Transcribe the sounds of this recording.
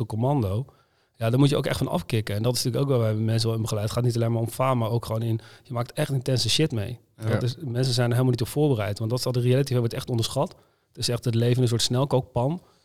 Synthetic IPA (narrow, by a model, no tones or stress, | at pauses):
əkomɑndow | jaːdɔːɹmutjəo̰wkɛ̰χtfɑnɑ̰fkɪkəɛndɑtɪsntyːlkowk̬ʋɛlˠʋaːʋəmɛns̬əɛlˠɪnbəχəlɛjtətχaːtnitɑlejnmaɹɔmfaːmaːɹowkχʋownɪnjəmaːk̚tɛχtɪntɛnsəʃɪtmej | dtɪsmɛns̬əzɛjndəɹɦeɪlmlnitɔpfʊːɹbərɛjtʋɑntdɑtɪ̥sɑdərealatifɛʋɔɹtɛχtɔndəɹsχɑt | tɪsɛχtətlejvənənsʊːɹtsnɛlˠkowk̚pɑn